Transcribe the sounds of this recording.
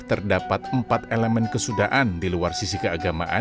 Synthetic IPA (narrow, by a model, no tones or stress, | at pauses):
t̪ərdapat̪̚əmpat̪elɛmɛnkəsudaʔandiluarsisikəaɡama̰ʔa̰